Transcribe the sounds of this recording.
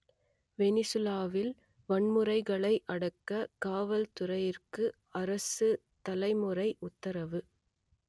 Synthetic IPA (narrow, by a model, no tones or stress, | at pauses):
ʋɛnɪsɯlaːʋɪl | ʋɐɳmɯrɐɪɣɐɭɐɪʔɐɽɐkːɐkaːʋɐlt̪ʊrɐjɪrkɯ | ɐɾɐsɯ | t̪ɐlɐɪmɯrɐɪʔʊt̪ːɐɾɐʋɯ